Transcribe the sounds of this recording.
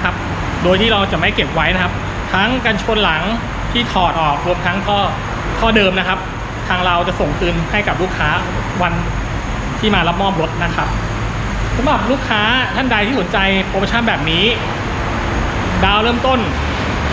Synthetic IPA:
kʰa˦˥p̚ | doː˧jt̪ʰiː˥˩ɾa˧wt͡ɕa˨˩ma˥˩jke˨˩p̚wa˦˥jna˦˥kʰa˦˥p̚ | t̪ʰa˦˥ŋka˧nt͡ɕʰo˧nla˩˦ŋ | t̪ʰiː˥˩t̪ʰɔː˨˩t̪̚ʔɔː˨˩k̚ɾu˧mt̪ʰa˦˥ŋt̪ʰɔː˥˩ | t̪ʰɔː˥˩dɤː˧mna˦˥kʰa˦˥p̚ | t̪ʰaː˧ŋɾa˧wt͡ɕa˨˩so˨˩ŋt̪ɯː˧nha˥˩jka˨˩p̚luː˥˩kʰːaː˦˥ | wa˧n | t̪ʰiː˥˩maː˧la˦˥p̚mɔː˥˩m̚ɾo˦˥t̪̚na˦˥kʰa˦˥p̚ | sa˨˦mɾa˨˩p̚luː˥˩kʰːaː˦˥t̪ʰa˥˩nda˧jt̪ʰiː˥˩so˩˦nt͡ɕa˧jpoː˧˥pʰa˧t͡ɕʰa˥˩bɛː˨˩p̚niː˦˥ | daː˧wɾɤː˥˩mt̪o˥˩n

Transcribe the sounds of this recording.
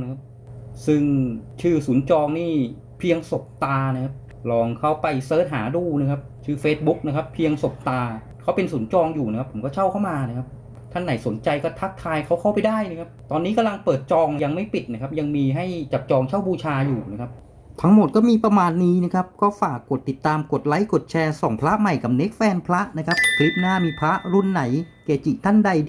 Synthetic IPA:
n˦˥kʰa˦˥p̚ | sɯ˥˩ŋt͡ɕʰɯː˥˩suː˩˦nt͡ɕɔː˧ŋniː˥˩ | pʰi˧əŋso˨˩p̚t̪aː˧na˦˥kʰa˦˥p̚ | lɔː˧ŋkʰa˦˥˩wpa˧jsɤː˦˥t̪̚ɦaː˩˦duː˧˩na˦˥kʰa˦˥p̚t͡ɕʰɯː˥˩feː˧˥t̪̚bu˦˥k̚na˦˥kʰa˦˥pʰːi˧əŋso˨˩p̚t̪aː˧ | kʰwpe˧nsuː˩˦nt͡ɕɔː˧ŋjuː˨˩na˦kʰa˦˥pʰːo˩˦mkɔː˥˩t͡ɕʰa˥˩wkʰa˥˩wmaː˧na˦˥kʰa˦˥p̚ | kʰa˥˩ŋːna˩˦jso˩˦nt͡ɕa˧jkɔː˥˩t̪ʰa˦˥kkʰːaː˧jkʰa˦˥wkʰa˥˩wpa˧jdaː˥˩jna˦˥kʰa˦˥p̚t̪ɔː˧nːiː˦˥ka˧mla˧ŋpɤː˨˩t̪̚t͡ɕɔː˧ŋja˧ŋma˥˩jpi˨˩t̪̚na˦˥kʰa˦˥p̚ja˧ŋmiː˧ɦa˥˩jt͡ɕa˨˩p̚t͡ɕɔː˧ŋt͡ɕʰaː˥˩wbuː˧t͡ɕʰaː˧juː˨˩n˦˥kʰp̚ | t̪ʰa˦˥ŋmo˨˩t̪̚kɔː˥˩miː˧pɾa˧maː˧nːiː˦˥na˦˥kʰa˦˥p̚kɔː˥˩faː˨˩kːo˨˩t̪ːi˨˩t̪ːaː˧mko˨˩t̪̚la˦˥jko˨˩t̪̚t͡ɕʰɛː˧sɔ˩˦ŋpʰɾla˦˥ʔma˨˩jka˨˩p̚ne˦˥k̚fɛː˧npʰɾa˦˥ʔna˦˥kʰa˦˥p̚kʰli˦˥p̚naː˥˩miː˧pʰɾa˦˥ʔɾu˧˥˩nːa˩˦jkeː˨˩t̪̚t͡ɕiː˨˩k̚t̪ʰa˥˩nda˧j

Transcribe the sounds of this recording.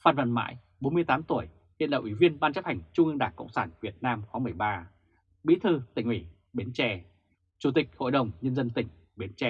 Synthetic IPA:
faː˨˩nvə̰˧˨˩nma̰ː˧˥˨j | ɓo˨˦mɨ˧əjt̪aː˨˦mt̪u˧˩əj | hḭ˧˨nla̰˧˨ʔwi˧˩vi˧ənɓaː˧nt͡ɕə˦˥p̚ha˨˩jŋ̟t͡ɕʊ˧ŋ͡mʔɨ˧ŋɗaː˧˩ŋkə̰˧˨wŋ͡msaː˧˩nvi˨˩ət̚naː˧mxwɔː˨˦mɨ˨˩əjɓaː˧ | ɓḭ˧˥t̪ʰɨ˧t̪ï˧˩ŋ̟wi˧˩ | ɓi˨˦ənt͡ɕɛ˧˩ | t͡ɕu˧˩t̪ï˨˩k̟̚ho̰˧˨jɗə˨˩wŋ͡mɲə˧nzə˧nt̪ï˨˩ŋ̟ | ɓi˨˦ənt͡ɕɛ˧

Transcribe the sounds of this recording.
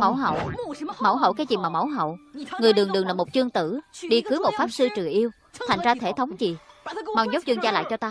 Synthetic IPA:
ma˧˩wɦə̰˧˨wmə˧˩wɦə̰˧˨wkaː˨˦jzi˨˩maː˨˩mə˧˩wɦə̰˧˨wŋɨ˨˩əjɗɨ˨˩əŋɗɨ˨˩əŋlaː˨˩mo˨˩t̚t͡ɕɨ˧əŋt̪ɨ˧˩ɗi˧xɨ˨˦mo˨˩t̚faː˦˥p̚sɨ˧t͡ɕɨ˨˩əjʔi˧əw | t̪ʰa˨˩jŋ̟zaː˧t̪ʰe˧˩t̪ʰə˨˦wŋ͡mzi˨˩ma˧˩wɲo˦˥k͡p̚t͡ɕwi˧ənzaː˧la̰ː˧˨jt͡ɕɔ˧t̪aː˧

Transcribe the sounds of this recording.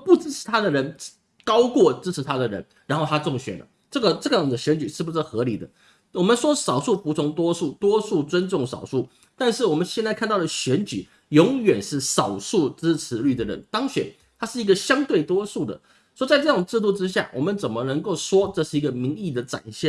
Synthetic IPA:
pu˥˩ʈ͡ʂɻ̩˥ʈ͡ʂ̩ʰ˧˥t̪ʰa˥d̪ə˨ɻə˧˥n˥ | kɑ˥ʊkwɔ˥˩ʈ͡ʂɻ̩˥ʈ͡ʂ̩ʰ˧˥t̪ʰa˥d̪ə˨ɻə̰˧˥n | ɻa˧˥nxo˥˩ʊt̪ʰa˥t͡sʊ˥˩ŋɕɥɛ˨˩nlə̰˦ʈ͡ʂɤ˥˩ɡə˩ʈ͡ʂɤ˥˩ɡə˨˩d̪ə˧˩ɕɥɛ˧˥nt͡ɕy˨˩ʂɻ̩˥˩bu˧˩ʂɻ̩˥˩xɤ˧˥li˨˩d̪ə̰˦ | wɔ˨˩mə˨˦nʂwɔ˥sɑ˨˩ʊʂu˥˩pu˧˥˩t͡sʰʊ˧˥ŋt̪wɔ˥ʂu˥˩t̪wɔ˥ʂu˥˩t͡swə˥nʈ͡ʂʊ˥˩ŋʂɑ̰˨˩ʊʂu˥˩ | t̪a˥˧nʂɻ̩˥˩wɔ˨˩mə˦nɕjɛ˥˧nt͡sa˥ɪkʰa˥˧nt̪ɑ˥˩ʊd̪ə˩ɕɥɛ˧˥nt͡ɕy˨˩˦ | jʊ˧˥ŋɥɛ˨˩nʂɻ̩˥˩sɑ˨˩ʊʂu˥˩ʈ͡ʂɻ̩˥ʈ͡ʂʰɻ̩˧˥ly˥˩d̪ə˩ɻə̰˧˦nt̪ɑ˥ŋɕɥɛ̰˨˩˦n | t̪ʰa˥ʂɻ̩˥˩i˧˥ɡə˧ɕjɑ˥ŋt̪we˥˩ɪt̪wɔ˥ʂu˥˩d̪ə̰˩ | swɔ˥t͡sa˥˧ɪʈ͡ʂɤ˥˩ʊ˨˩ŋʈ͡ʂɻ̩˥˧t̪u˥˩ʈ͡ʂɻ̩˥ɕja̰˥˩wʔɔ̰˨˩mə˨˦nt͡sə˨˩nmə˦nə˧˥ŋko˥˩ʊʂwɔ˥ʈ͡ʂɤ˥˧ʂɻ̩˥˩i˧˥ɡə˨mi˧˥ŋi˥˩d̪ə˩ʈ͡ʂa̰˨˩nɕjɛ˥˨

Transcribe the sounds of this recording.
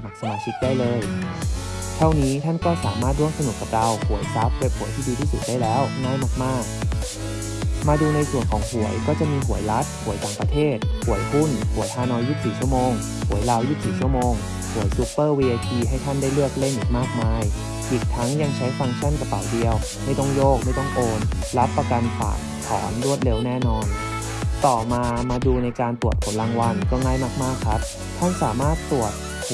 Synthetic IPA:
ma˨˩k̚sa˧maː˧˩t͡ɕʰi˦˥k̪̚daː˥˩jlɤː˧j | t̪ʰa˥˩wniː˦˥t̪ʰa˥˩nkɔː˥˩saː˩˦maː˥˩t̪̚ɾu˥˩əŋsa˧nu˨˩k̚ːa˧pt̪a˧whu˩˦əjsa˦˥p̚we˦˥p̚hu˨˩˦jt̪ʰiː˥˩diː˧t̪ʰiː˥˩su˨˩t̪̚daː˥˩jlɛː˦˥wnaː˥˩jmaː˥˩k̚maː˥˩k̚ | maː˧duː˧na˧jsu˨˩ənkʰɔː˩˦ŋhu˩˦əjkɔː˥˩t͡ɕa˨˩ʔmiː˧ɦu˨˩˦əjla˦˥t̪̚hu˨˩˦jt̪aː˨˩ŋpɾa˧t̪ʰeː˥˩t̪̚hu˨˩˦əjhu˥˩nhu˩˦jhʰaː˧nɔː˧ju˦˧˥siː˨˩t͡ɕʰu˥˩əmoː˧ŋ | hu˨˩˦əjla˧wju˧˥˩siː˨˩t͡ɕʰu˥˩əmoː˧ŋ | pʰu˨˩˦jsu˦˥pːɤː˥˩wiː˧ʔa˧t̪ʰiː˧ɦa˥˩jt̪ʰa˥˩nda˥˩jlɯ˥˩ək̚le˥˩nʔi˨˩kmaː˥˩k̚maː˧j | ʔiː˨˩k̚t̪ʰa˦˥ŋja˧ŋt͡ɕʰa˦˥jsa˧ŋt͡ɕʰa˥˩˨nka˧pa̰˨˩˦wdi˧əw | ma˥˩jt̪ɔ˥˩ŋjoː˥˩k̚ma˥˩jt̪ɔ˥˩ŋʔoː˧nla˦˥t̪̚pːa˧ka˧npʰa̰ː˨˩k̚ʰɔ̰ː˩˦ndu˥˩ət̪̚le˦˩wnɛː˥˩nɔː˧n | t̪ɔː˨˩maː˧maː˧duː˧na˧jkaː˧nt̪u˨˩ət̪̚pʰo˩˦nlaː˧ŋwa˧nkɔː˥˩ŋaː˥˩jmaː˥˩k̚maː˥˩kʰɾa˦˥p̚ | tʰa˥˩nsaː˩˦maː˥˩t̪ːu˨˩ət̪̚

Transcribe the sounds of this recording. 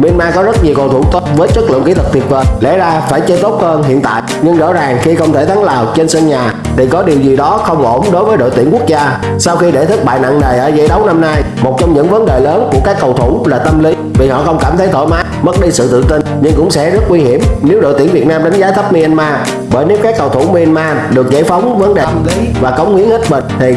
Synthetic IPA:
mi˧nmaː˧kɔ˨˦zə˦˥t̚ɲi˨˩əwkə˨˩wt̪ʰt̪o˦˥t̚vəː˨˦jt͡ɕə˦˥lɨ̰˧˨əki˧˦t̪ʰɨ˨˩k̚t̪ʰi˨˩ət̚vəː˨˩jlɛ̰˧˥zaː˧faː˧˩jt͡ɕə˧t̪o˦˥t̚həː˧nɦḭ˧˨ənt̪a̰ː˧˨jɲɨ˧ŋzɔ̰ː˧˥zaː˨˩ŋxi˧xə˧wŋ͡mt̪ʰe˧˩t̪ʰa˨˦ŋlaː˨˩wt͡ɕe˧nsə˧nɲaː˨˩ | ɗ̪ʰi˨˩kɔ˨˦ɗi˨˩əwzi˨˩ɗɔ˨˦xə˧wŋ͡mʔo˧˩mɗo˨˦jvəː˨˦jɗo̰˧˨jt̪i˧˩əŋku˦˥ək̚zaː˧ | saː˧wxi˧ɗe˧˩t̪ʰɨ˦˥k̚ɓa̰ː˧˨jna̰˧˨ŋne˨˩jʔəː˧˩zə˧˦jɗə˨˦wna˧mnaː˧jmo˨˩t̚t͡ɕɔ˧wŋ͡mɲɨ̰˧˥ŋvə˨˦nɗe˨˩ləː˨˦nku˧˩əkaː˦˥kːə˨˩wt̪ʰʊ˧˩laː˨˩t̪ə˧mli˨˦ | vi˨˩hɔ̰˧˨xə˧wŋ͡mkaː˧˩mt̪ʰə˨˦jt̪ʰo̰˧˨˩jmaː˨˦mə˦˥t̚ɗi˧sɨ̰˧˨t̪ɨ̰˧˨t̪i˧nɲɨ˧ŋkʊ̰˧˥ŋ͡msɛ̰˧˥zə˦˥t̚ŋwi˧hi˧˩əmne˨˦wɗo̰˧˨jt̪i˧˩ənvi˨˩ət̚naː˧mɗa˨˦jŋ̟zaː˨˦t̪ʰə˦˥p̚mi˧ɛ˧nmaː˧ | ɓəː˧˩jne˨˦wkaː˦˥kːə˨˩wt̪ʰʊ˧˩wŋ͡mmi˧ʔɛ˧nmaː˧ | ɗɨ˨˩ək̚zə˧˩jfə˨˦wŋ͡mvə˨˦nɗe˨˩˧mli˨˦vaː˨˩kə˨˦wŋ͡mhi˨˦əŋhe˦˥t̚ɓə˧˨˩nt̪ʰi˨˩

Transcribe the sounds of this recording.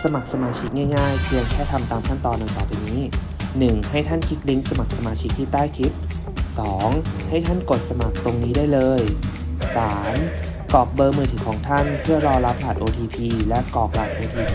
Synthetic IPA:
sa˧ma˨˩k̚sa˧maː˧t͡ɕʰi˦˥k̚ŋaː˥˩jŋaː˥˩jkʰɯ˧əŋkʰɛː˥˩t̪ʰa˧mt̪aː˧mkʰa˥˩nt̪ɔː˧nːa˧ŋp̪aː˨˩pa˧niː˦˥ | nɯ˨˩ŋha˥˩jt̪ʰa˥˩nkʰi˦˥k̚li˦˥ŋsa˧ma˨˩k̚sa˧maː˧t͡ɕʰi˦˥k̚t̪ʰiː˥˩t̪aː˥˩jk̪ʰi˦˥p̚ | sɔː˩˦ŋha˥˩jt̪ʰa˥˩nko˨˩t̪̚sa˧ma˨˩k̚t̪o˧ŋniː˦˥daː˥˩jlɤː˧j | saː˩˦m | kɔː˨˩k̚bɤː˧mɯː˧˩t̪ʰiː˩˦kʰɔː˩˦ŋt̪ʰa˥˩npʰɯ˥˩ɐɾɔː˧la˦˥p̚laː˨˩t̪̚ʔoː˧t̪ʰiː˧pʰiː˧lɛ˦˥ʔkɔː˨˩k̚laː˨˩t̪̚ʔoː˧t̪ʰiː˨˧

